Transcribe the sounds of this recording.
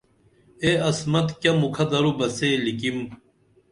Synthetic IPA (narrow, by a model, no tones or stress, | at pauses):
eɐsmɐt̪kʲɐmukʰɐd̪ɐɾubɐselikim